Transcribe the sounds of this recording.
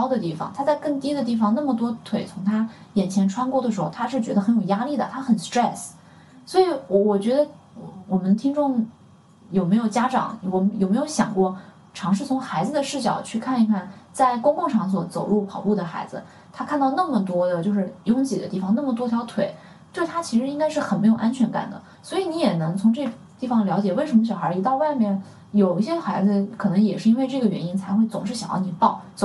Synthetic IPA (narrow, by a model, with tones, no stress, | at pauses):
ɑ˥ʊd̪ə˨t̪i˥˩fɑ̰˩ŋt̪ʰa˥t͡sa˥˧ɪkɤ˥˩˧ŋt̪i˥d̪ə˧˨t̪̬i˥˩fɑ˧ŋna˥˩mə˩t̪wɔ˥t̪ʰwe˨˩ɪt͡sʰʊ˧˥ŋt̪ʰa˥jɛ˨˩nt͡ɕʰjɛ˧˥nʈ͡ʂʰwa˥nkwɔ˥˩d̪ə˩ʂɻ̩˧˥xo˥˧ʊt̪ʰa˥ʂɻ̩˥˩t͡ɕɥɛ˧˥d̪ə˧xə˧˥njo˨˩ʊja˥li˥˩d̪ə˩t̪ʰa˥xə˨˩nst̪ɹɛ˥˩s | swɔ˧˥i˧˥wɔ˧˩wɔ˨˩t͡ɕɥɛ˧˥d̪ə˧˩ | wɔ˨˩mə˦nt̪ʰi˥ŋʈ͡ʂʊ˥˩ŋ | jo˨˩ʊme˧˥ɪjo˨˩ʊt͡ɕja˥ʈ͡ʂɑ̰˨˩˦ŋwɔ˨˧˩jo˨˩m˧˥ɪjo˧˥ʊɕjɑ̰˨˩ŋkwɔ˥˩ | ʈ͡ʂʰɑ˧˥ŋʂɻ̩˥˩t͡sʰʊ˧˥ŋxa˧˥ɪd͡zɹ̩˧d̪ə˨ʂɻ̩˥˩ɕ̬jɑ̰˨˩ʊt͡ɕʰy˥˧kʰa˥˩ni˧˥kʰa˥˩nt͡sa˥˩ɪkʊ˥ŋkʊ˥˩˧ŋʂɑ˥˩ŋs̬wɔ˧˥t͡so˨˩ʊɻu˥˩pʰɑ˨˩ʊlu˥˩d̪ə˩xa̰˧˥ɪd͡zɹ̩˧ | t̪ʰa˥kʰa˥˧nt̪ɑ˥˧ʊnə˥˩mə˩t̪wɔ˥d̪ə˨t͡ɕjo˥˧ʊʂ̬ɻ̩˥˧jʊ˥ŋt͡ɕi˨˩d̪ə˦t̪i˥˩fɑ˨˧ŋna˥˩mə˩t̪wɔ˥t̪ʰjɑ˧˥ʊt̪ʰwe˨˩˦ɪ | t̪we˥˩ɪt̪ʰa˥t͡ɕʰi˧˥ʂɻ̩˧˥i˥ŋka˥ɪʂɻ̩˥˩xə˨˩nme˧˥jo˨˩ʔa˥nt͡ɕʰɥɛ˧˥nka̰˨˩nd̪ə̰˦ | swɔ˧˥i˨˧˩ni˧˥jɛ˨˩nɤ˧˥ŋt͡sʰʊ˧˥ŋʈ͡ʂɤ˥˩ | t̪i˥˩fɑ˧˩ŋljɑ˧˥ʊt͡ɕjɛ˨˩we˥˩ɪʂə˧˥mə˩ɕjɑ˨˩xə˞˧˥i˧˥t̪ɑ˥˧ʊwa˥˧ɪmjɛ˥˩n | jo˨˩ʊi˥ɕjɛ˥xa˧˥ɪd͡zɹ̩˧kʰɤ˨˩nɤ˧˥ŋjɛ˨˩ʂɻ̩˥˩˧i˥nwe˥˧ɪʈ͡ʂɤ˥˩ɡə˩ɥɛ̰˧˥ni˥nt͡sʰa˧˥ɪxwe˥˩ɪt͡sʊ˨˩ŋʂɻ̩˥˩ɕjɑ̰˨˩ŋjɑ̰˥˩ni˨˩pɑ˥˩ʊt͡so˨˩